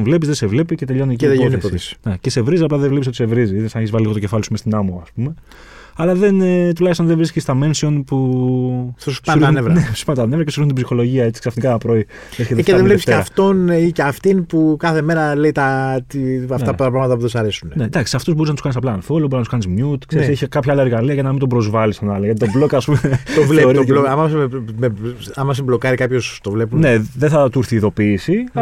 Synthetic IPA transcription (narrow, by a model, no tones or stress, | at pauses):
nvle̞pizðesevle̞pice̞t̪e̞ʎo̞nieciðnepoisnecese̞vɾizisɐplɐðevlepis̬ɐt̪u̥se̞vɾiziiðisɐneçizvɐliliɣot̪ce̞fɐlisuimest̪inɐmoɐspume̞ | ɐlɐðe̞nt̪ulɐçist̪onðevɾiscist̪ɐme̞nsio̞npu | ssɐuɾizunevɾɐneospɐnt̪ɐnevɾɐkcesuɾizunt̪ibsixo̞lo̞ʝiɐet͡si̥ksɐfnikɐpɾo̞i | eçet̪ðeðevlepst̪eɐft̪o̞niceɐft̪inpukɐθe̞me̞ɾɐle̞it̪ɐt̪iɐfɐt̪ɐpɾɐɣmɐt̪ɐpuðusɐɾe̞sunned̪ɐksi̥sɐft̪uzbo̞ɾiznɐt̪skɐnisɐplɐːnfolobɾiznɐt̪skɐnizmɲut̪kseɾsseçikɐpçɐɐlɐeɾɣɐliɐʝɐnɐmind̪obɾo̞zvɐlist̪onɐloʝɐt̪it̪oblokɐspumeeovloɾieemɐɐsemeɐmɐs̬mblo̞kɐɾikɐpçost̪ovle̞punne̞ðeθɐt̪uɾθiːðo̞pisi